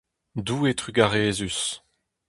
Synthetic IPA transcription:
duːet̪ʁyɡaʁeːzys

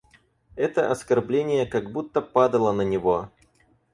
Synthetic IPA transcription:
ɛt̪əʔɐskɐrblʲenʲɪjəkɐɡbut̪ːəpad̪əlˠənənʲɪvo

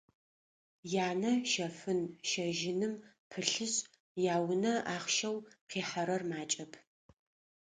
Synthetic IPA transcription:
jaːnɐʃɐfɨnʃɐʒɪnɨm | pʰɨɬɨɕʼ | jaːwʊnɐaːχʃɐwqeːħaɾɐrmaːt͡ʃʼɐpʰ

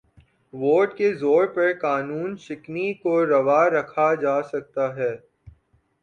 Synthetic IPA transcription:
ʋoːɖkezoːɾpɐɾkaːnuːnʃɪknikoɾɐʋaːɾɐkʰad͡ʒaːsɐk̚t̪aɦɛː

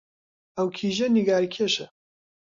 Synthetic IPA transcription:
ɐwkʰiːʒɛniɡaːɾikʰeʃɛ

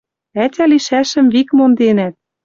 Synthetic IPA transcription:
ætʲæliʃæʃə̆mβikmond̪enæt̪̚

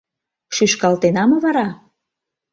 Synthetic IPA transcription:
ʃyʃkɑlt̪enɑmɤ̆βɑɾɑ

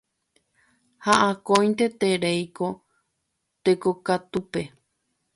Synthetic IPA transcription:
haʔakõj̃nt̪et̪eɾejko | t̪ekokat̪upe̞

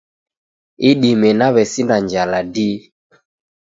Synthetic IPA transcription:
iɗimɛnaβɛsindaɲd͡ʒaladi

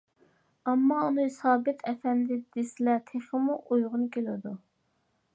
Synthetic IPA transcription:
ɑmːɑunɨsɑːbɪt̪ʰɛfɛnd̪ɪd̪̥ɪsɪlɛt̪ʰeχəmuʔojʁʊnkʲʰelɪd̪u

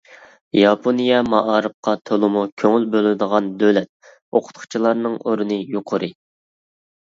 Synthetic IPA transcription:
jɑpʰonijɛmɑʔɑːɾɨp̚qʰɑt̪ʰolˠʊmukʲʰøŋylbølˠɪd̪əʁɑnd̪ølɛt̪̚ | oqʰʊ̥t̪qʰʊ̥t͡ʃʰilˠɑɾnɨŋoɾɨnɨjoqʰʊɾɨ

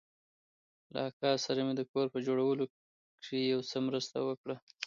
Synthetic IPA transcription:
la̰kɑsaɾamed̪əkoɾpəd͡ʒoɽawəlo | kʂijawsəmɾəst̪a̰wəkɽa

